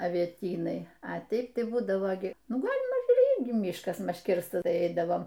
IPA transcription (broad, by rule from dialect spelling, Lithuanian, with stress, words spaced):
ɐʋʲiɛˈtʲiːnɐɪ ɐ ˈtʲɛɪp ˈtɐɪ ˈbuːdɐʋoː ɡʲɪ ˈnʊ ˈɡɑːlʲɪmɐ ˈiːrʲɡʲɪ ˈmʲiːʃkɐs ˈmɐʃ ˈkʲɪrstɐs ˈtɐɪ ˈɛɪdɐʋoːm